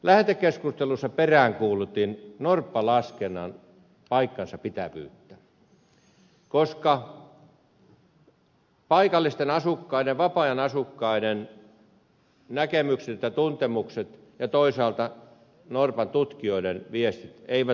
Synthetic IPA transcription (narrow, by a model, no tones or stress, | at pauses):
læht̪ekːeskust̪elusːɑperæːŋkuːlut̪ˑinnorpːɑlɑskenːˑɑ̰n | pɑikːɑnsɑpit̪æʋy̰ːt̪ːæ | koskɑ | pɑikɑlːist̪enɑsukːɑideʋʋɑpɑjɑnɑsukːɑiden | nækemykset̪et̪jɑt̪unt̪emukset̪ | jɑt̪oisɑːlt̪ɑ | norpɑnt̪ut̪kioidenʋiest̪it̪eiʋæ